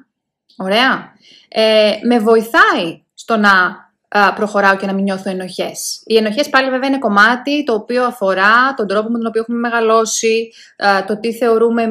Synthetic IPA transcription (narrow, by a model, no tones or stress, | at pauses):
o̞ɾe̞ɐ | eme̞vo̞iθɐi | st̪o̞nɐ | pɾo̞xo̞ɾɐoce̞nɐmiɲo̞θue̞no̞çe̞sie̞noçe̞spɐliveveɐine̞ko̞mɐt̪it̪o̞ːpio̞ɐfo̞ɾɐt̪o̞nd̪ɾo̞p̬o̞muet̪ono̞pioeumeme̞ɣɐlo̞si | t̪o̞t̪iθe̞o̞ɾume̞